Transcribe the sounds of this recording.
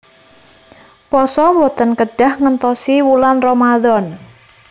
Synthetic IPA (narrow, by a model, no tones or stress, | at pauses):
pɔsɔwɔt̪ənkəɖ̥a̤hŋənt̪ɔsiwulanrɔmaðɔn